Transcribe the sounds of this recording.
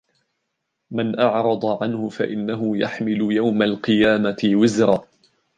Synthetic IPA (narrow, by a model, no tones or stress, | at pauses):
manʔɑʕɾˤɑd̪ˤɑʕanhʊfaʔɪnːaɦʊjaħmɪlʊjawmalqɨjaːmaɪwɪzɾɑː